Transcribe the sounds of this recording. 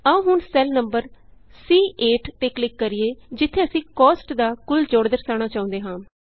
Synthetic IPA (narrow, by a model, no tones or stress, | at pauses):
aũːɦʊɳsɛlnəmbəɾsiːʔeːʈt̪eːklɪkːəɾiːeːd͡ʒɪt̪ʰːeːəsĩːkɔːsʈd̪aːkʊld͡ʒoːɽd̪əɾsaːɽ̃aːt͡ʃaːʊ̃nd̪eːɦãːm